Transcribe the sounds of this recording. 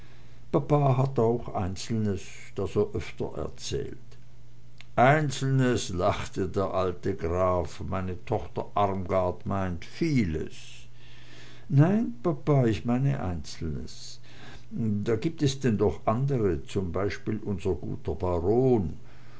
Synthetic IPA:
papaːɦataʊxʔa̰ɪnt͡sl̩nəs | d̥asoʔœftɐ̰ʔɛ̰ɐt͡sɛ̰ːlt | ʔaɪnt͡sl̩nəslaχtədeːɐʔaltəɡʁaːfmaɪnətʰɔxtɐʔaʁmɡaɐtmaɪntfiːlə̰s | naɪnpapaːɪçmaɪnə̰ʔa̰ɪnt͡sl̩nə̰s | daːɡiːp̚tɛsd̥ɛndɔχʔandəʁət͡sʊmbaɪʃpiːlʔʊnzɐɡṵːtɐbaʁoːn

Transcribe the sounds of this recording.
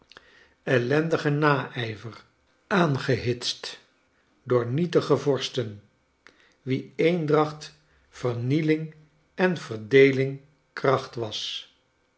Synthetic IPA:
ɛlɛndəχənaːʔɛjvər | aːnχəɦɪtst | dʊːɹnitəχəvɔɹstən | ʋiejndrɑχt | fəɹnilɪŋ | ɛnv̥ərdejlɪŋ | krɑχtʋɑs

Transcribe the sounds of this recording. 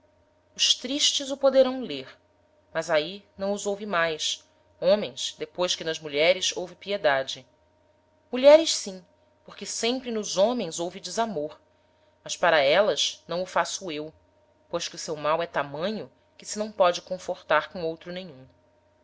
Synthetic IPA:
ʊʃt̪ɾiʃt͡ʃɪzʊpod̪eɾɐ̃w̃leɾ | mɐzainɐ̃w̃ʊzowvimajs | õmẽj̃sd̪epojʃkɪnɐzmuʎɛɾɪzowvɪpied̪ad͡ʒɪ | muʎɛɾɪʃsĩ | poɾkɪsẽmpɾɪnʊzõmẽj̃zowvid͡ʒɪzamoɾ | mɐʃpaɾɐɛlɐznɐ̃w̃ʊfasʊew | pojʃkɪʊsewmawɛt̪amɐ̃ɲʊ | kɪsɪnɐ̃w̃pɔd͡ʒɪkõfoɾt̪aɾkõowt̪ɾʊnẽjɲũ

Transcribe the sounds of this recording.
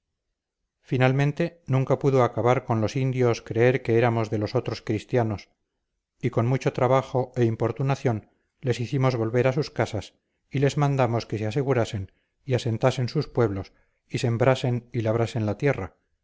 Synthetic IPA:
finalmẽ̞nt̪e̞nũŋkapuðoakaβaɾko̞nlo̞sind̪jo̞skɾe̞e̞ɾke̞eɾamo̞zðe̞lo̞so̞t̪ɾo̞skɾist̪jano̞s | iko̞nmut͡ʃo̞t̪ɾaβaχo̞e̞impo̞ɾt̪unaθjo̞n | le̞siθimo̞zβo̞lβe̞ɾasuskasas | ile̞zmãnd̪amo̞ske̞sease̞ɣuɾase̞n | iase̞nt̪ase̞nsuspwe̞β̞lo̞s | ise̞mbɾase̞nilaβ̞ɾase̞nlat̪je̞ra̰

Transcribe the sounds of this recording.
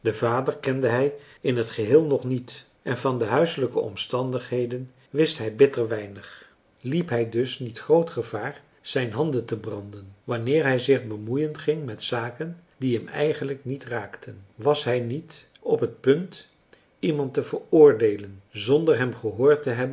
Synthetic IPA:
dəvaːdərkɛndəɦɛj | ɪnɦətχəɦɪːlˠnɔχnit | ʔɛnvɑndəɦœɥsələkəɔ̰mstɑndəχɦejdən | ʋɪstɦɛjbɪtərʋɛjnəχ | lipɦɛjdɵsnitχrowtχəvaːr | z̥ɛjnɦɑndəntəbrɑndənʋɑnɪːɹɦɛjzɪχbəmujəntχɪŋmɛtsaːkəndiɦɛmɛ̰jχənləknitraːktʰənʋɑsɦɛjnit | ɔpɦət̚pɵnt | imɑntəvəɹʊːɹdejlənzɔndəɹɦɛmχəɦʊːɹtəɦɛbən

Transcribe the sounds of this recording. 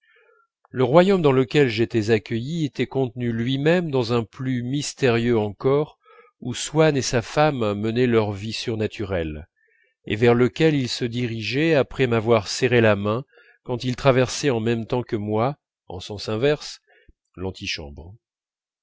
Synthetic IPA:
ləʁwajomd̪ɑ̃ləkʲɛlʒet̪ɛzakʲəjiet̪ɛkɔ̃t̪nylɥimɛmd̪ɑ̃zɛ̃plymist̪eʁjøɑ̃kɔʁ | uswanesafamːənɛlœʁvisyʁnat̪ʰyʁɛl | ḛvɛʁləkʲɛlilsəd̪iʁiʒɛapχɛmavwaʁsɛʁelamɛ̃ | kɑ̃t̪ilt̪χavɛʁsɛɑ̃mɛmt̪ɑ̃kəmwa | ɑ̰̃sɑ̃sɛ̃vɛʁs | lɑ̃t̪ʰiʃɑ̰̃bʁ

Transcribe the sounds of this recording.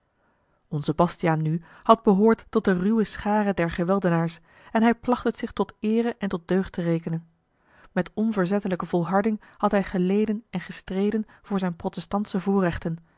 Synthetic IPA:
ɔnzəbɑstijaːnːy | hɑd̚bəɦʊːɹtːɔt̚dərywəsχaːrədɛɹχəʋɛlˠdənaːɹs | ɛnɦɛjplɑχtətsɪχtɔtɪːrəʔɛntɔt̚døɥχtərejkənən | mɛtɔnvʊːɹzɛtələkəvɔlˠɦɑɹdɪŋ | hɑtɦɛjχəlejdənɛnχəstrejdən | v̥ʊːɹzɛjnprotɛstɑntsəvʊːɹrɛχtən

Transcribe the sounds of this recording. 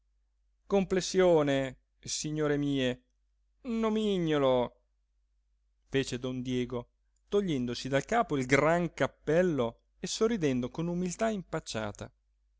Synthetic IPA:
komplesːjoːne | siɲːoːɾemiːe | nomiɲːolo | feːt͡ʃed̪ɔnd̪jɛːɡo | t̪oʎːɛnd̪osid̪alkaːpoilɡraŋkapːɛlːo | esːorːid̪ɛnd̪okonumilt̪aimpat͡ʃːa̰ːt̪a̰

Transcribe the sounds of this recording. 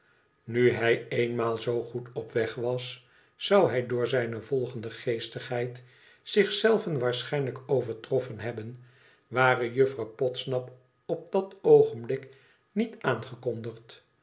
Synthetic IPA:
nyɦɛjejnmaːlˠzowχutɔpʋɛχʋɑsː | ɑwɦɛjdʊːɹzɛjnəvɔlˠχəndəχejstəχɦɛjt | sɪχsɛlˠvənʋaːɹsχɛjnləkowvəɹtrɔfənɦɛbən | ʋaːrəjɵfrɑwpɔtsnɑp | ɔp̚dɑtowχənblɪk | nitaːnχəkɔndəχt

